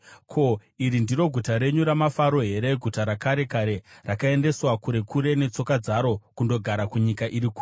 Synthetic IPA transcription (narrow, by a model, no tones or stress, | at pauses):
kʰo̞iɾindiro̞ɡʱutaɾe̞ɲuɾamafaɾo̞ɦe̞ɾe̞ɡʱutaɾakaɾe̞kaɾe̞rakae̞nde̞swakuɾe̞kʰuɾe̞ne̞t͡so̞kad͡zaɾo̞kundo̞ɡʱaɾakuɲikaʔiɾikuːr